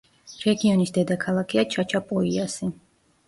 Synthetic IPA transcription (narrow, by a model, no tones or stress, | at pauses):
ɾɛɡiɔnisd̪ɛd̪akʰalˠakʰiat͡ʃʰat͡ʃʰapʼɔiasi